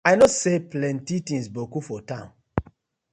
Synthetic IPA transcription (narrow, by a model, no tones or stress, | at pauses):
ajnɔseplɛ̃ntitĩnsbokufɔtãʊ̃n